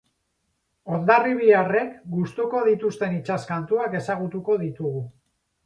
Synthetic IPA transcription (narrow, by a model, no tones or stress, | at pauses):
o̞nd̪ariβ̞iare̞kɡust̪uko̞ð̞it̪ust̪e̞nit͡ʃaskant̪uake̞saɣ̞ut̪uko̞ð̞it̪uɣu